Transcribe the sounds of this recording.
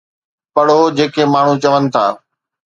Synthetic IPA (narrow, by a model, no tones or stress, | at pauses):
pɐɽ̤od͡ʑeːkemaːɳ̤ũt͡ɕɐʋənɪ̆t̪ʰa̰ː